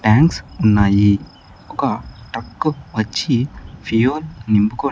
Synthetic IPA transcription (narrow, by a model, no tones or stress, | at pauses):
ʈaːŋksunːaːji | ɔkɐʈɐkːɨʋɐt͡ʃːifijoːlnimbukoː